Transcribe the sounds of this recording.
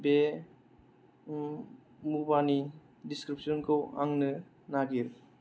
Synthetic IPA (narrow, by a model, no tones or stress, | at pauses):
be | mubani | diskɾipsɔnkʰɯwa̰ŋnɯ | naɡiɾ